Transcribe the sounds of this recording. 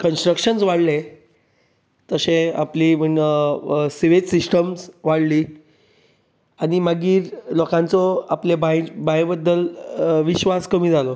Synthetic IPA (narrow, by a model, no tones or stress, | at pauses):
kənsʈɾəkɕənsʋaɽle | t̪əsẽa̰pliməɳ | seʋetsisʈəmsʋaɽliː | añimaɡiːɾlɔkãnt͡sɔaplebajbajbəd̪ːəlʋiɕʋaskəmiːd͡zʱalɔ